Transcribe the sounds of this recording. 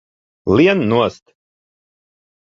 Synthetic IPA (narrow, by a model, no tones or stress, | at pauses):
lʲiɛnnuɔst̪